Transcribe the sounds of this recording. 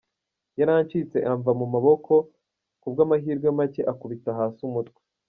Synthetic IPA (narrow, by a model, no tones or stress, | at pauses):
jaɾaːɲt͡ʃit͡se̞ʔaɱvamumaβo̞kʰo̞ | kubɡaːmaɦiːɾɡwamace̞ʔakuβitaɦaːsumutkwe̥